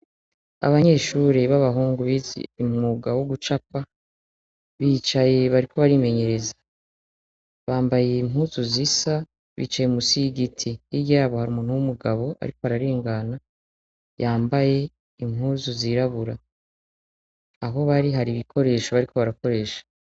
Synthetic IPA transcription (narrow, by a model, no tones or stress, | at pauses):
a̰βaɲe̞ːʃuɾeβaβaɦuːŋɡuβizḭimŋuɡawoɡut͡ʃapa | βiːt͡ʃaje̞βaɾikʰo̞βaɾime̞ɲe̞ɾe̞zḁ | βaːmbajeimɦuːzuzisa | βḭːt͡ʃajemusiɡitʰiiɟaɾaβohaɾuːmuːn̥huwumuɡaβo̞ʔa̰ɾikoaɾaɾiːŋɡana | jaːmbaje̞ | imhuːzuziɾaβuɾa | ɦo̞βaɾiɦaɾiβikʰo̞ɾe̞ːʃoβaɾikʰo̞βaɾako̞ɾe̞ːʃḁ